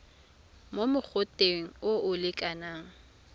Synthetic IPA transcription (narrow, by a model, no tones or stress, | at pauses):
momʊk͡xʰʊtʼeŋ̩oʊlɪkʼanaːŋ̩